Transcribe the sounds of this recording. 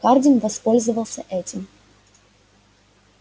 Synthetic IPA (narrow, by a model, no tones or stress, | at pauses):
kardʲɪnvɐspo̞lʲzɨvəlˠsʲəʔɛtʲɪm